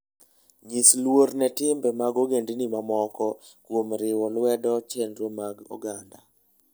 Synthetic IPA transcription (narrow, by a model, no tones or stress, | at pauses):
ɲislwoɾnɛtɪmbɛmaɡoɡendinimamɔkɔkwomɾɪwɔlwɛdɔt͡ʃɛndɾomaɡo̰ɡanda